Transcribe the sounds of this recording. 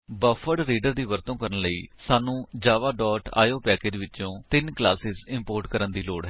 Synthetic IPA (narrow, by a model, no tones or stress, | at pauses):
bəfʰəɽɾiːɖəɾd̪iːʋəɾt̪õːkəɾənləḭːsaːnũːd͡ʒaːʋaːɖɔːʈa̰ːjoːpɛːkeːd͡ʒʋɪt͡ʃõːt̪ɪnklaːsɪzɪ̃mpoːɾʈkəɾənd̪iːloːɽɦɛ